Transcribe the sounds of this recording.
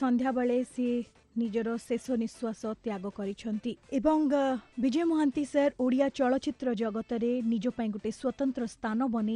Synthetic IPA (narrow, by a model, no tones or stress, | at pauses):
sɔnd̪ʱjabaɭese | nid͡ʒɔɾɔsesɔniswasɔt̪jaɡɔkɔɾit͡ʃʰɔnt̪iebɔŋbid͡ʒɔjɔmɔɦant̪iseɾoɽijat͡ʃɔɭɔt͡ʃit̪ɾɔd͡ʒɔɡɔt̪ɔɾenid͡ʒɔpaĩkuʈeswɔt̪ɔnt̪ɾɔst̪ʰanɔbɔne